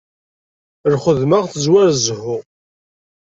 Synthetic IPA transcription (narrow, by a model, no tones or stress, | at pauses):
ɾχəðmaʁθəzwæɾzhʊ